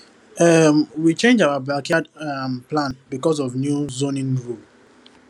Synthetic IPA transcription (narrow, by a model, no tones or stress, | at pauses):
ɛmwit͡ʃẽnd͡ʒaʊabalkiadamplãnbikɔzɔvnjuzõnĩnɹul